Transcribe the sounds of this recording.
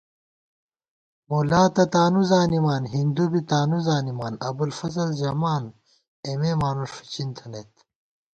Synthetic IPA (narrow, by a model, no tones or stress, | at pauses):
mulaːt̪ɐt̪aːnuzaːnimaːnɦind̪ubit̪aːnuzaːnimaːnɐbulfɐzɐld͡ʑɐmaːn | ememaːnuʂfɐ̥t͡ɕint̪ʰɐnet̪